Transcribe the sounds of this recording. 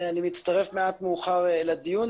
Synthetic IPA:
animit̪st̪aʁe̞fmeat̪meuχaʁlad̪ijun

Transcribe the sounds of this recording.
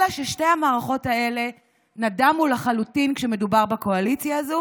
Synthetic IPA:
aʃeʃte̞jhamaːʁaχo̞tae̞le̞ | nadamulaχalutinkʃe̞me̞dubaʁbakoalit͡sjaːzo

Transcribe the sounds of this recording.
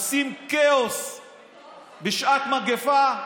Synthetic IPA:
simkeos | beʃʔat̪maɡefa

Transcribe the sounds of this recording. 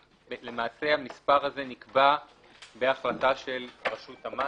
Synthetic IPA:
le̞maːse̞hamispaʁhaze̞nikba | beaχlataʃe̞lʁaʃuthama

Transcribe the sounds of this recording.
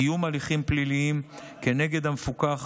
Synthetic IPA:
ijumaliχimpliliim | kene̞ɡe̞d̪hamefukaχ

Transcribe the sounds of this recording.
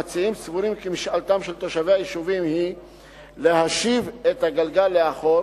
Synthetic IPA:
at͡siimt͡svuɾimkimiʃalt̪amʃelt̪oʃaveajiʃuvimhi | lehaʃivet̪haɡalɡalːeaχo̞

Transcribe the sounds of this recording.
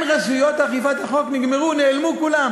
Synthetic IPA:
nʁasujot̪aχifat̪haχokniɡmeʁuneːlmukulam

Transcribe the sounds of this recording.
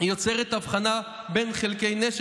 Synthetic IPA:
jo̞t͡seʁet̪avχana | benχelke̞jneʃ

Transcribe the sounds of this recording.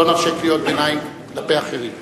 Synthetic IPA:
onafʃiklijo̞t̪̚benajklapeaχeʁim

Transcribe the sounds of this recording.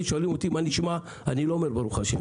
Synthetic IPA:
ʃoalimot̪imaniʃma | aniloomeɾbaɾuxaʃḛm

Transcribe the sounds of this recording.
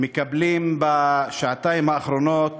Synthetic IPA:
mekablimbaʃaʕat̪aimhaːχɾonot̪

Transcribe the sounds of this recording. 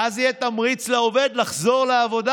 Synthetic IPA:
azijɛt̪amʁit͡sleoved̪laχzo̞ʁleavo̞d̪a

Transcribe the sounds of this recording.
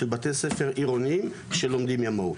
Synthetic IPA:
elbat̪esefe̞ʁʔiʁoniim | ʃelo̞md̪imjamow

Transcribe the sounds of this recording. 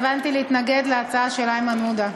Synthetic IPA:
vant̪ileit̪naɡed̪leat͡saaʃelaemanud̪a

